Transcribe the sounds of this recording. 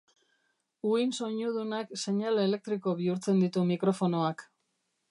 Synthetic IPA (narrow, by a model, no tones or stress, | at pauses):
uinso̞ɲuð̞unakse̞ɲale̞le̞k̚t̪ɾiko̞βiuɾt͡se̞nd̪it̪umikɾo̞fo̞no̞ak